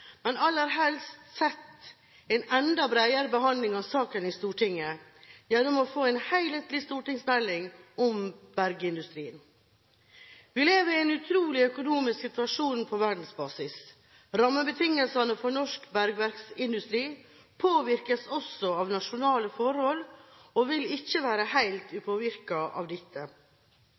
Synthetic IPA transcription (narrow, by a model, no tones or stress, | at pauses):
mɛnɑlːəɾɦɛlst̪sɛt̪ː | ɛɪnɛnd̪ɑbɾæɪəɾəbəɦɑnd̪lɪŋɑʋsɑːkənɪst̪uːʈʰɪŋːəjɛnːʊmɔfoːɛɪnhæɪlət̪lɪst̪uːʈɪŋsmɛlːɪŋɔmb̥æɾɡəɪnd̪ʉst̪ɾiːən | ʋɪleːʋəɾɪɛɪnʉt̪ʰɾuːlɪœkʊnuːmɪsksɪt̪ʉɑʂuːnpʰɔʋæɖn̩sbɑːsɪs | ɾɑmːəbət̪ʰɪŋəlsɑnəfɔɳɔʂkbæɾɡʋæɾksɪnd̪ʉst̪ɾiː | pʰoːʋɪɾkəsɔsɔɑːʋnɑʂʊnɑːləfɔɾhɔlɔʋɪlɪçːəʋæːɾəhæɪlt̪ʉːpʰoːʋɪɾkɑʔɑ̰ʋd̪ɪt̪ʰːə